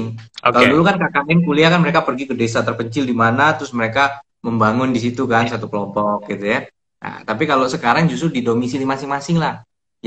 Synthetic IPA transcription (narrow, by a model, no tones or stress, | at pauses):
ŋkalodulukankakanɛnkuliakanməɾekapərɡikədesat̪ərpəɲt͡ʃɪldimanat̪ɾʊsməɾeka | məmbaŋʊndisit̪ukansat̪ukəlɔmpɔk̚ɡit̪uja | na̰t̪apikalosəkaɾaŋd͡ʒust̪ʊrdidomisilimasɪŋmasɪŋlah | j